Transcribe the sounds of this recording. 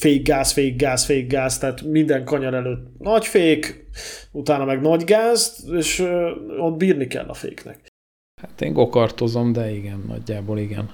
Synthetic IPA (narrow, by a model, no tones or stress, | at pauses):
feːɡːaːsfeːɡːaːsfeːɡːaːst̪ɛɦaːt̪mind̪ɛŋkɒɲɒɾɛløːt̪ːnɒcfeːk | ut̪aːnɒmɛɡnɒɟɡaːzt̪eːʃod̪̚biːrnikɛ̰lːʔɒ̰fḛːknɛ̰k | hat̪ḛːŋɡokɒrt̪ozomd̪ɛiɡɛnːɒ̰ɟːaːboːliɡɛ̰n